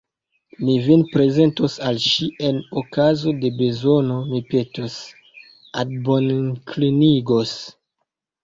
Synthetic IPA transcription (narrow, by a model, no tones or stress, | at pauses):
mivinpɾe̞ze̞ntosalʃiʔe̞nokazo̞de̞be̞zo̞no̞mipe̞tos | ad̚bonkliniɡos